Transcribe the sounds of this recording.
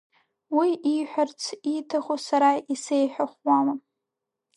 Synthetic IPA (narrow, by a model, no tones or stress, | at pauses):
wiiħʷᶣart͡sʰitʰaχosaɾaisejħʷᶣaχʷwama